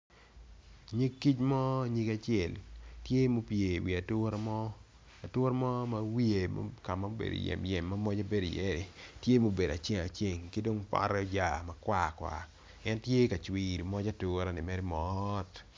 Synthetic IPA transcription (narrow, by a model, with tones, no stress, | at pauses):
ɲi˦kːi˦t͡ʃmɔ˦ɲi˦ɡa˦t͡ʃɪɛ˨ltje˦mo˦pje˨wi˨a˨tʊ˦ɾa˦mɔ˦ | a˨tʊ˦ɾmɔ˦ma˨˦wi˦e˨ma̰˦ka˨ma˦bḛ˨do̰˨jɛ̰˨mjɛ̰˨mːa˦mɔ˦d͡ʒa˦be˦do˨jɛ˦ɾɪ˨tje˦mo˨be˨da˨t͡ʃe˦˨ŋa˨t͡ʃe˦˨ŋkɪ˦do˦ŋpa̰˦ɾɛ˦ɔ˦d͡ʒa˨mɐ˦kwa˨kwa̰˨ | ɛ˦ntje˦ka˨t͡ʃwi˨ɾmɔ˦d͡ʒa˦tu˦ɾa˨nɪ˨mɛ˦ɾi˦mɔt